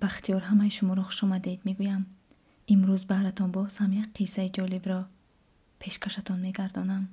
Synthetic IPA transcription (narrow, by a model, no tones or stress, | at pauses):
b̥aχt̪iɔɾɦamajiʃumɔɾɔχu̥ʃɔmad̪ed̪me̞ɡujam | imɾuzbahɾat̪ʰɔnbɔshamjakqʰisaid͡ʒɔlibɾɔ | pʰe̞ʃkʰaʃat̪ʰɔnme̞ɡaɾd̪ɔnam